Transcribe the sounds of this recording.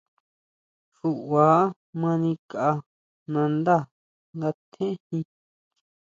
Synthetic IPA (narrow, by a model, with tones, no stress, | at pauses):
ʂu˧ʔwaː˨˦ | mã˧nĩ˧kaʔa˧ | nã˧nd̪a˦˨ | ŋɡa˧t̪ʰẽ˦hĩ˧